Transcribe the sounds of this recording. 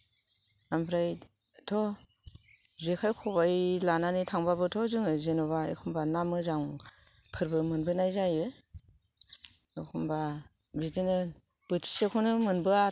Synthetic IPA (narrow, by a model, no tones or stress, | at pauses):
ampʰɾaj | tʰɔ | zekʰajkʰubajlananitʰaŋbabɯtʰɔzɯŋɯzenɔβaḛkʰɔmbanamɯzaŋ | pʰɯɾbɯmɯnbɯnajzajɯ | ekʰɔmba | bidinɯ | b̥ɯtʰi̥sekʰɔnɯmɯnbɯa